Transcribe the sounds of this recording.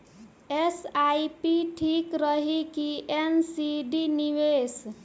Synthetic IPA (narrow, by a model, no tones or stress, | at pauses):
esajpiʈʰikɾəɦikiensiɖiniʋes